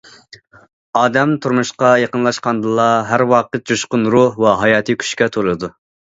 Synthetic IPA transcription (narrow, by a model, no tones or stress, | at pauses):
ɑːd̪ɛmt̪ʰuɾmuʃqɑjeqənlˠɑʃqɑnd̪ɨlˠɑɦæɾwɑːqət̪̚d͡ʒoʃqʊnɾuhwɑɦɑjɑːt̪ʰɨkʲʰy̥ʃkʲɛt̪ʰoɾlɨd̪u